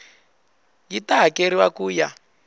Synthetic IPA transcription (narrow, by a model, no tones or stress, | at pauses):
jitaɦakeɾiwakuːja